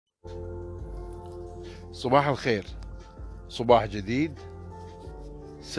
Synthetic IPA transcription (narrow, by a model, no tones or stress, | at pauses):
sˤɑbɑːħalxeːɾ | sˤɑbɑːħd͡ʒɪd̪iːd̪ | s